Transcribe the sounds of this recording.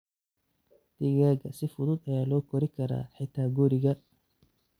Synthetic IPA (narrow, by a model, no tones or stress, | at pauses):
d̪̥ɪɣaːɣɐsɪfʊðʊd̪ɐjaːlɔːkʰɔɾɪkʰɐɾa̰ːħɪt̪ʰaːɡuːɾɪɣɐ